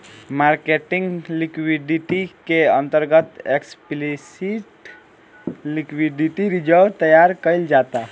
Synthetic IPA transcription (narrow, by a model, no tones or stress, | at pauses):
maːɾkeʈɪ̃ŋɡlɪkwiɖiʈikeə̃nt̪əɾɡət̪eksplisiʈ | lɪkwiɖiʈiɾɪd͡ʒəɾʋt̪əjaːɾkəɪld͡ʒaːt̪a